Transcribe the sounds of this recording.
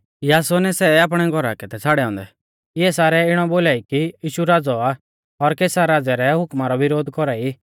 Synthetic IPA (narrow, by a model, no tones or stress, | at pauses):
jaːsɔnɛsɛaːp̬ɽ̃ɛɡʱɔɾa̰kɛt̪ɛt͡sʰaːɽɛɔ̃ːnd̪ɛ | ɪɛsaːɾɛɪɽ̃ɔboːlaːikijiːʃuɾaːd͡zɔa | ɔɾkeːsaɾaːd͡zɛɾɛɦʊkmaɾɔʋɪɾoːd̪kɔɾaːi